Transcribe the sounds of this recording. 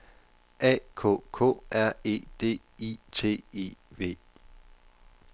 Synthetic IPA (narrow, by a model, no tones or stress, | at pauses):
ʔɛ̰kʰo̰kʰo̰ːʔæɐ̰e̝̰ːd̥e̝̰ː | it͡sʰe̝̰ːḛʋe̝̰ː